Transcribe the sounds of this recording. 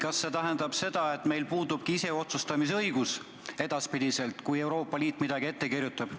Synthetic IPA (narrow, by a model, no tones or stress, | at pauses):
kɑsːe̞t̪æɦe̞nd̪ɑb̥se̞d̪̥ɑe̞t̪ːme̞jlpuːd̪ub̥̚kiise̞o̞t̪sust̪ɑmis̬eɤ̞jɡ̥us | e̞d̪̥ɑspid̪̥ise̞lt̪ˑkuje̞wɾo̞ːpːˑɑliːt̪ːˑmid̪̥ɑɡ̥ie̞t̪ːe̞kirjut̪ːˑɑb̥